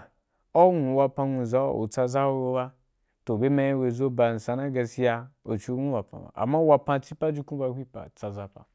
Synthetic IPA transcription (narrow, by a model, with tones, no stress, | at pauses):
o˦ŋũ˨wa˧pa˧nʷu˧˨za̰˦˨o̰˨t͡sa˧za˦wo˧wo˧ba˦ | to˨be˦ma˧ji˦we˧zo˦ba˧˨n̩˨sa˧na˦ɡa˧si˧˦ja˧o˨t͡ʃu˦nʷũ˦wa˨pa̰˨ba̰˨ʔa̰˨ma˦wa˧pa˧t͡ʃi˦pa˦d͡ʒu˦ku˦ba˧˦hʷi˦pa̰˨t͡sa˧za˦pa̰˨